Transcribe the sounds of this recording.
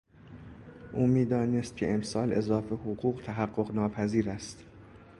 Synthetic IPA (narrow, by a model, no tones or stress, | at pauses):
ʔuːmiːd̪ɒːnest̪̚cʰḛʔemsɒːle̞zɒːfe̞hoɣuːɢt̪ʰæɦæɢːo̞ɣnɒːpʰæziːɾæst̪